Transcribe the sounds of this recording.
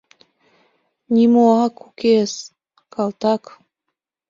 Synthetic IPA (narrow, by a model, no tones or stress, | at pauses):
nʲimoɑkukes | kɑlt̪ɑk